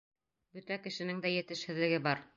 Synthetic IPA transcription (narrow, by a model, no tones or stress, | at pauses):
bɵt̪ækɘ̆ʃɘ̆nɘŋd̪æjɘ̆t̪ɘ̆ʃhɘ̆ðlɘ̆ɡɘbɑɾ